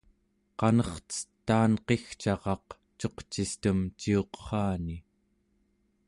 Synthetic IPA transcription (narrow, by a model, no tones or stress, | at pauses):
qɑnʌχt͡sə̥t̪ːaːnqe̞xt͡ʃɑʁɑq | t͡ʃo̞qt͡ʃist̪əmt͡ʃio̞qχɑːni